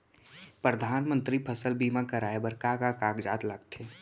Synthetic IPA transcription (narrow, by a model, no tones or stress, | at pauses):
pɾəd̪ʱaːnmə̃nt̪ɾipʰəsəlbiːmakəɾaːebəɾkakakaːkd͡ʒaːt̪laɡʈʰeː